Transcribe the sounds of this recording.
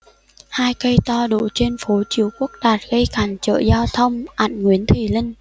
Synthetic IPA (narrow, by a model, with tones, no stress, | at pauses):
haː˧jkə˧jt̪ɔ˧ɗo̰˧˨t͡ɕe˧nfo˨˦t͡ɕi˧˩əwku˦˥ək̚ɗaː˨˩t̚ɣə˧jkaː˨˩nt͡ɕə̰ː˧˨zaː˧wt̪ʰə˧wŋ͡mʔa̰˧˩˨ŋŋwi˨˦ənt̪ʰi˨˩li˧ŋ̟